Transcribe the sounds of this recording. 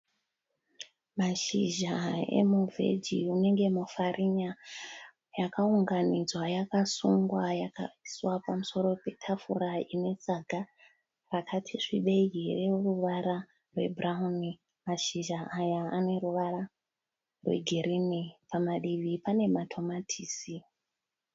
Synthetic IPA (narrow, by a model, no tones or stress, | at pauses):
maʃiʒaḛmuvʱe̞̰d͡ʒiune̞ŋɡe̞mufaɾʔiɲa | jakauŋɡanid͡zwajakasuŋɡwajaka̰iswapamuso̞ɾo̞pe̞tʰafuɾaine̞t͡saɡʱa | rakʰatʰiʂiɓe̞ireoruʋaɾa | rwe̞̰bʱrauni | maʃiʒaːjaːne̞ruʋaɾa | rwe̞̰ɡʱeɾinipamaɗiʋipane̞matʰo̞matʰiːsi